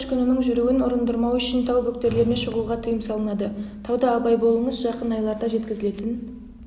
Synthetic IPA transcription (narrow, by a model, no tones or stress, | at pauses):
ʃkʲʰononəɴʒʏɾuwɪnʊɾənd̪əɾmɑwʏʃɪnt̪ʰɑwbɵk̚t̪e̞ɾle̞ɾne̞ʃəʁuʁɑt̪ʰʊjəmsɑlˠənɑd̪ət̪ʰɑwd̪ɑːbɑjbo̞lˠəɴəzʒɑqənɑjlˠɑɾd̪ɑʒe̞t̪kʲɪzɪle̞t̪ɪn